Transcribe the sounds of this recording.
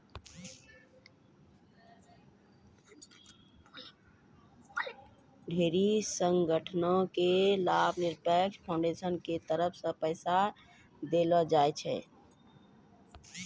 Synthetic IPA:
ɖʱeɾisəŋɡəʈʰnõkelabʱniɾpəkspʰãʊɳɖesənket̪əɾəpʰsə̃pəɪsa | d̪eləd͡ʒajt͡ʃʰɛ̰

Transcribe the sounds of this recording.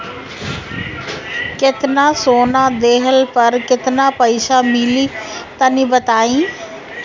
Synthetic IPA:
kɪt̪nãːsoːnãːd̪eːɦəlpəɾkɪt̪naːpəiːʃaːmɪliːt̪anĩːbət̪aːĩː

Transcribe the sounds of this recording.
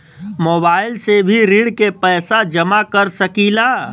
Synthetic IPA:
moːbaːɪlsebʱiɾiːɽkepɛːsad͡ʒəmakəɾsəkiːlaː

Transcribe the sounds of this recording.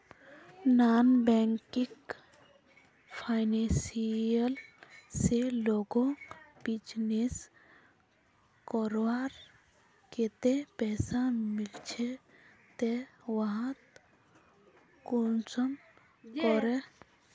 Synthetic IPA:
naːnbɛŋkik | pʰaɪnesiəlseloɡõb̥id͡ʒnes | kɔɾaɾ | ket̪epɛːsamilt͡ʃʰe | t̪eʋaɦãt̪ | kunsəm | kɔɾe

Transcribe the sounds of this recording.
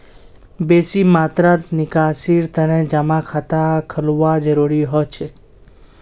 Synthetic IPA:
besimaːt̪ɾat̪nɪkasiɾt̪əned͡ʒamakʰat̪akʰəluʋad͡ʒəɾuɾiɦɔt͡ʃʰe

